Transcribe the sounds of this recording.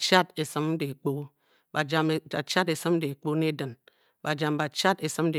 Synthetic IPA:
t͡ʃa˦te˨sɨ˦m̩˦de˨k͡po˦ | ba˨d͡ʒa˨m˨a˨t͡ʃa˦de˨sɨ˦m̩˦de˨k͡po˦ne˦dɨ˨n | ba˨d͡ʒa˨mba˨t͡ʃa˦te˨sɨ˦m̩˦de˨

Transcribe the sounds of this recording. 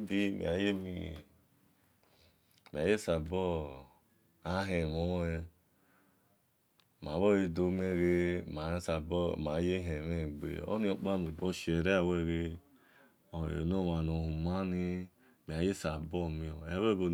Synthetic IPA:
bi˦mḭ˨a˨je˦mi˧ | mi˨a˨je˦sa˨bɔ˦ | a˨˦ɦe˨mɔ˦e˧ | ma˨˦βɔ˦je˧do˧˦me˧ɾe˧˦ma˨˦sa˨bɔ˦˨ma˨˦je˦ɦe˨me˦˨ɡ͡bḛ˨ɔ̰˦nĩ˦ɔ˧˨k͡pa˦mu˨bɔ˦ʃe˨ɾe˦a˦˨wɛ˦ɾe˧˦ | ɔ˨ḛ˨no˦˨ma˨no˨hu˨ma˦ni˧ | mi˨a˨˦je˦sa˨bɔ˦˨mi˧ɔ˨ɛ˦wɛ˦ɡo˧

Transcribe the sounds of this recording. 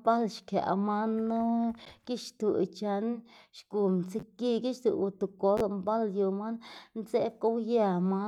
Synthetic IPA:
ba˦lʃkja̰˨ʔma˦nːo˦ki˦ʃt̪u˨t͡ʃa˧˦nʃku˨mt͡si˧ki˦ɡi˦ʃt̪u˨wu˧t̪u˨ko˦lmba˦ljo˧ma˦nnse˦ko˦wja˧ma˦

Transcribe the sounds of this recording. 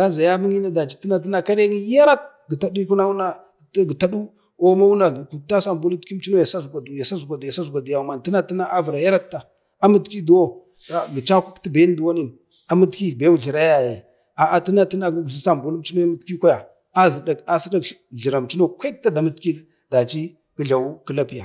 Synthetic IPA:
da˦za˨ja˦mi˦ŋi˦na˦da˨t͡ʃi˦ti˦na˦ti˦na˨ka˦ɾe˦ŋi˦ja˦ɾa˦t̚ | ɡə˨ta˨di˦ku˦na˦wu˦na˨ | tɡə˨ta˦du˦ | o˦ma˦u˦na˨ku˨ta˦sa˦m˨bu˦lu˦ti˦t͡ʃi˦no˦ja˨sa˦zɡʷa˨du˨ja˨sa˦zu˨ɡʷa˨dja˨sa˦zɡʷa˨du˨ja˨ma˨n˨ti˦na˦ti˦na˦a˦və˨ɾa˨ja˦ɾa˦tːa˨ | a˦mə˦tki˦du˨˦wo˦ | a˨ɡə˨t͡ʃa˦ku˦kti˦ba˦n˦du˨wa˦ni˦˨n | a˨mə˦tki˦˨be˦wu˨ɮi˨ɾa˦ja˨je˨ | a˨a˨ti˦na˦ti˦na˦ɡu˦ɡu˨i˦sa˦˨mbu˦lu˦t͡ʃi˦no˦ja˦mə˦tki˦kʷa˦ja˨ | a˦zi˨da˨ka˦si˦da˦kɮi˨ɾa˨mt͡ʃi˦no˦kʷa˦k̚ta˦da˨mə˦tki˦ | da˨t͡ʃi˦ | kə˦ɮa˨wu˦kə˦la˦pi˦ja̰˨

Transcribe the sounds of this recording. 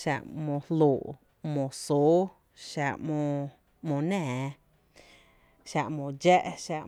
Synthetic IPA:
ʃa̰˧ʔmõ˧hlu˨ʔ | mõ˨su˦ | ʃa˧ʔmõ˧ | mõ˧˨nɛ̃ː˨ | ʃa˧ʔmõ˨d͡ʒɛ˦ʔʃa˧ʔ

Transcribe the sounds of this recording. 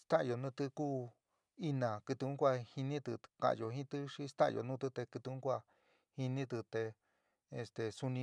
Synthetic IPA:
st̪ã˦ʔjo˨˧nũː˦˧t̪ɨ˧kuː˦ | i˦nã˨kɨ˧t̪u˧ũ˦kʷa˧hi˧nĩ˦t̪ɨ˧kã̰˧˨ʔjo˧˨ɦĩ˦t̪ɨ˦ʂi˧˦st̪a̰˦ʔjo̰˨˧nũ˦t̪ɨ˧t̪e˧kɨ˧t̪u˧ũ˦kʷa˧ | hi˧nĩ˦t̪ɨ˧t̪e˧ | e˧st̪e˨su˧nĩ˧

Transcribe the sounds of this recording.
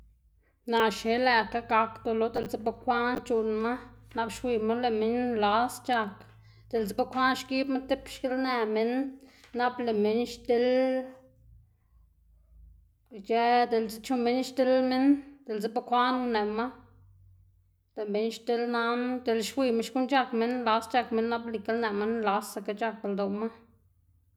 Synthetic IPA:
na˨ʃe˨˦læ˧ka˦ɡa˧kd̪o˨˧lo˨d̪e˧lt͡se˦ba˧kʷa˦nt͡ʃu˧nma˦na˧˦bʃwi˧ma˦le˧˨me˦nla˦st͡ʃa˧k | d̪̥e˨lt͡se˦ba˦kʷa˦nʃki˦bma˦t̪e˦pʃke˦lne˨me˧nːa˦ble˨me˨nʃt̪e˦l | t͡ʃe˧˦d̪e˨lt͡se˧˦t͡ʃu˧me˦nʃt̪e˦lme˦nd̪̥e˨lze˦ba˦kʷa˦nu˧ne˨ma˦ | le˨me˨˦nʃt̪e˦lna˦nd̪e˨lʃwʷi˧ma˦ʃku˦nt͡ʃa˧kme˦nla˧st͡ʃa˧kme˧˦nːa˦ble˨ke˦lne˨me˦nla˧sa˧˨ka˧˦t͡ʃa˧ka˨ld̪o˨ma˦

